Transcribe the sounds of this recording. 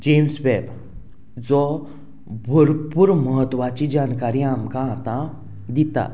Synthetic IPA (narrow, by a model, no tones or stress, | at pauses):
d͡ʑemsbɛb | d͡zɔ | bʱəɾpuːɾməɦət̪ːʋat͡ɕid͡ʑankaɾĩamkãat̪ã | d̪it̪a̰